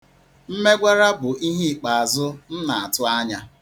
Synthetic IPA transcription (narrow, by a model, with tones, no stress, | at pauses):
m̩˦me˦ɡʷa˦ɾa˦bʊ˨ʔi˦ɦi˦˨k͡pa˨a˨zʊ˦n̩˦na˨a˨tʊ˦a˦ɲa˦